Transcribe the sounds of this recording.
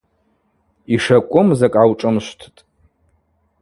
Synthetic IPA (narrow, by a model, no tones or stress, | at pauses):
iʂɐkʷʼʊmzakʼawʈ͡ʂʼɨmʃʷtʰtʼ